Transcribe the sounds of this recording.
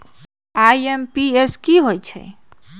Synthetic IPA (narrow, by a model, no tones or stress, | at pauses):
ajempieskiɦojt͡ʃʰɛ̰